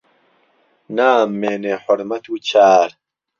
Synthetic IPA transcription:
naːmːeːneħʊɾmɐt̪ʰuːt͡ɕʰaːɾ

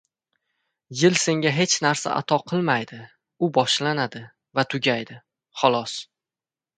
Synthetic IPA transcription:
jɪlse̞ŋɡʲaɦe̞t͡ʃnaɾsa̰ʔa̰t̪ʰɒqʰɨlˠmajd̪ɪ | ʊbɒʃlanad̪ɪ | vat̪ʰʊɡʲajd̪ɪ | χɒlˠɒs

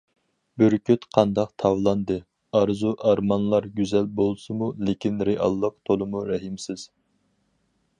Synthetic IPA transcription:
byɾkʲʰyt̪qʰɑnd̪ɑqt̪ʰɑvlˠɑnd̪ɨ | ɑɾzuʔɑɾmɑnlˠɑɾɡʲyzɛlbolˠsɨmulekʲʰinɾeʔɑ̰lˠːəqt̪ʰolˠɨmuɾɛɦimsɪz̥

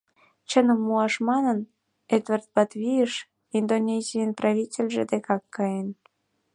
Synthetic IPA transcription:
t͡ɕənəmːuɑʃmɑnən | et̪vərt̪̚bɑt̪βʲijəʃ | ind̪onʲesʲijənprɑβʲitʲelʲʒed̪ekɑkːɑjen

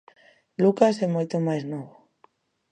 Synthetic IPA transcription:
lukasɛmojt̪omajznɔβo

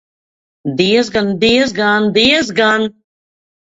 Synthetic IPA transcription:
d̪iɛzɡand̪iəz̬ɡand̪iɛzɡan

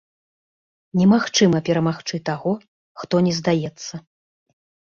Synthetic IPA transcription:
nʲɛmaxt͡ʂɨmɐpʲɛɾɐmaxt͡ʂɨt̪aɣɔ | xt̪ɔnʲɛzd̪ajɛt̪sːɐ

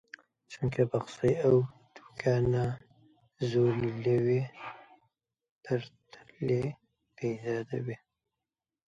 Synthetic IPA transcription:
t͡ʃuŋkebaxsəjaw | t̪ʰu̥kʰana | zolləwi | t̪ʰəɾt̪ʰəle | pezɑd̪awi

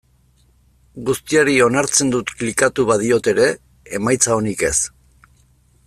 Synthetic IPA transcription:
ɡust̪iaɾio̞naɾt͡se̞nd̪ut̪klikat̪uβaðio̞t̪e̞ɾe̞ː | majt͡sao̞nike̞s

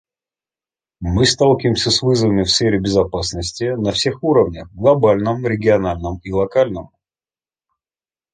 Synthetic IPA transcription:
mɨst̪alˠkʲɪvʲɪmsʲəsvɨzəvəmʲɪfsfʲeɾʲɪbʲɪzɐpasnəsʲtʲɪnɐfsʲexuɾəvnʲəxɡlˠɐbalʲnəmɾʲɪɡʲɪɐnalʲnəmilˠɐkalʲnəm

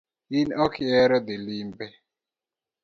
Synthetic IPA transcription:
inɔkʰɪɛɾɔd̪elimbɛ

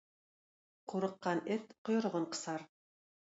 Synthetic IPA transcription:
qʰuɾɤ̆qːɑnet̪qŏjɤ̆ɾʁoɴqɤ̥̆sɑɾ

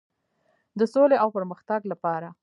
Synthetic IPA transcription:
d̪əsoleʔawpəɾməxt̪aɡlapɑɾa

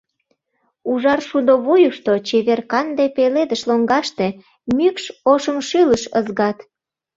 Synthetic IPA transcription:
uʒɑrʃud̪oβujuʃt̪ot͡ɕeβerkɑnd̪epeled̪əʃloŋɡɑʃt̪e | mykʃoʃəmʃyləʃəzɣɑt̪

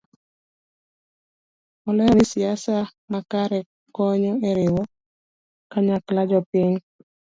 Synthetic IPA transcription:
ɔlɛjɔnɪsiasamakaɾɛ | kɔɲɔeɾɪwɔ | kaɲaklad͡ʒɔpɪɲ

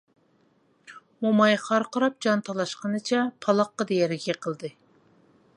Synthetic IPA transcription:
momɑjχɑɾqəɾɑp̚d͡ʒɑnt̪ʰɑlˠɑʃqənɨt͡ʃʰɛpʰɑlˠɑqːɑd̪ejɛɾɪɡʲɛqʰəlˠd̪ɨ

